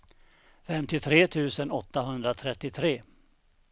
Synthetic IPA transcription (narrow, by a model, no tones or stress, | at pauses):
fɛmt̪ɪt̪ʰɾeːt̪ʰʉ̟ːsənɔt̪ːaɦɵnd̪ɾat̪ʰɾɛt̪ːɪt̪ʰɾeː